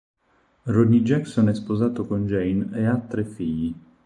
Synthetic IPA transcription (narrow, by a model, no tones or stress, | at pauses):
rɔd̪id͡ʒɛksonɛspozaːt̪okond͡ʒɛjneat̪ːɾefːiʎːi